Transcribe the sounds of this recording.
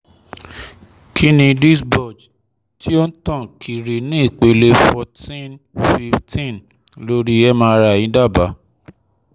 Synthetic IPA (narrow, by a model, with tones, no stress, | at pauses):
kʰi˦nĩ˧di˦sbɔ˦˨d͡ʒ | ti˦o˦n̩˦tã˦˨kʰi˨ɾi˨nĩ˦i˦˨k͡pe˨le˦fɔ˧tĩ˦n | fi˧ftʰĩ˦˨n | lo˦ɾi˦ɛ˦mã˧ɾa˧˨jĩ˨˦da˦˨ba˨˦